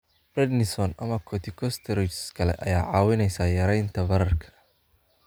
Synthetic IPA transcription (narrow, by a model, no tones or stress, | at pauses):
b̥rɛd̪nɪsɔnɐmɐkʰɔt̪ʰɪkʰɔst̪ʰɛɾɪt͡ʃskʰɐlɛ̰ʔɐ̰jaːʕɑːwɪnɛjsaːjɐɾɛjnt̪ʰɐbɐɾɐrkʰɐ̥